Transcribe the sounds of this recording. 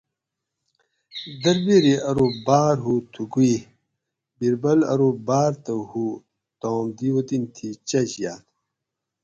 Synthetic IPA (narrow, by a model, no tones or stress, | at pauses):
d̪ɐɾbiɾiʔɐɾobaːɾɦut̪ʰukui | biɾbɐlɐ̰ɾobaːɾt̪ɐhu | t̪oːmd̪iwot̪int̪ʰit͡ɕɐɕja̰ːt̪